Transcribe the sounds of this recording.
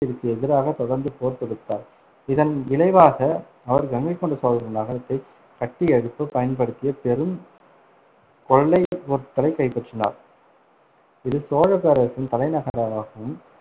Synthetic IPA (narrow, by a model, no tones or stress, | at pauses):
ɪɾɯt̪ːɯɛðɪɾaːɣɐt̪ɔɽɐɾnd̪ɯpoːɾp̪ɔɽɯt̪ːaːɾ | ɪðɐnɪlɐɪʋaːɣɐ | ɐʋɐɾɡɐŋɡɐɪkːɔɳɖɯsoːlɾɯnaːɣɐɐt̪ːɐɪ | kɐʈːiɛɻɯpːɯpɐjɐnpɐɽɯt̪ːɪjɐpɛɾɯm | kɔɭːɐɪɔɾt̪ːɐlɐɪkɐɪpːɐʈrɯna̰ːɾ | ɪðɯsoːɻɐpeɾɐsɯnt̪ɐlɐɪnɐɣɐɾaɾaːɣɐɯm